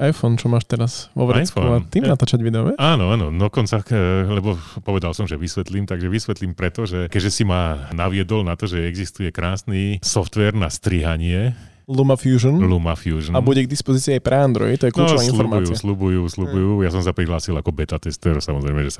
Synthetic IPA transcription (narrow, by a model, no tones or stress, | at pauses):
ʔajfɔnt͡ʃɔmaːʃt̪ɛɾaz̥ʋɔ̰ʋɾɛfɔnnaːimnat̪aːt͡ʃaɟʋid̪ɛɔʋɛaːnɔaːnɔd̪ɔkɔnt͡salɛbɔpɔʋɛd̪alsɔmʒɛʋisʋɛt̪limt̪aɡʒɛʋisʋɛt̪limpɾɛt̪ɔʒɛkɛɟʒɛsimaːnaʋɪɛd̪ɔlnat̪ɔʒɛɛɡzist̪ujɛkɾaːsnisɔft̪ʋɛɾnast̪ɾiɦaɲɪɛ | lumafjuːʒɔnlumafjuːʒnabuɟɛɡd̪ispɔziːt͡siːajpɾɛand̪ɾɔ̰jit̪ɔjɛkluɔɔɔʋainflɔuɾmaujuaslubujuːslubujuːjasɔmsapɾiɦlaːsilakɔbɛt̪at̪ɛst̪ɛɾsamɔzɾɛɪmɛʒɛsa